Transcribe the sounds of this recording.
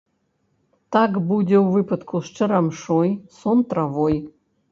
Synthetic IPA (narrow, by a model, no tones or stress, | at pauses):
t̪akbudʲewvɨpʰɨt̪kʰuʂʈ͡ʂʰɨɾamʂojsont̪ravoj